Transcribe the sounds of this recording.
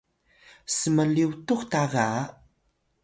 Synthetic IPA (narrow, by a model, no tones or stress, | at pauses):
səməliwtuxtaɣa